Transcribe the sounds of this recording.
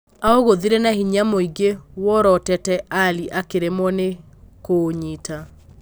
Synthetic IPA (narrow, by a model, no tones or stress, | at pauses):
aoɣoðiɾenahiɲamoiɡewɔɾɔtɛtɛʔaliʔakeɾemɔne | koɲita